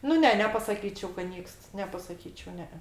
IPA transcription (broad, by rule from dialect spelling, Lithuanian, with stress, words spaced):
nʊ ˈnʲɛ nʲɛpɐsɐˈkʲiːt͡ʃʲɛʊ kɐt ˈnʲiːkst nʲɛpɐsɐˈkʲiːt͡ʃʲɛʊ ˈnʲɛ ɛ